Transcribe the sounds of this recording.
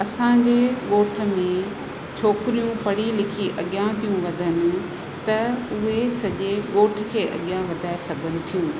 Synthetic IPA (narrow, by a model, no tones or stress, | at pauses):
ɐsãːɲd͡ʑeːɠoːʈʰə̆mẽ | t͡ɕʰoːkɾijũpɐɽ̤ilɪkʰiʔɐɠjãt̪ijũʋɐd̪ʱənɪ̆ | t̪ɐʊɦesɐʄeɠoːʈʰɪ̆kʰeːʔɐ̰ɠjãʋɐd̪ʱaːesɐɡʱənɪ̆t̪ʰijũː